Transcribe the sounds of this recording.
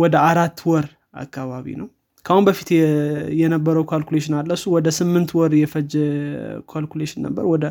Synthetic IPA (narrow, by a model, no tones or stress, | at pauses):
wɔd̪əaɾat̪ːwɔɾ | a̰kːaβaβḭnəw | kʰəhunbəfi̥t̪jɛnəbːəɾəwkʰalkuleʃɪnalːəsuwɔd̪əsɨmːɨnt̪wɔɾjɛfəd͡ʒ | kʰalkuleʃɪnːə̰bːə̰ɾwɔd̪ə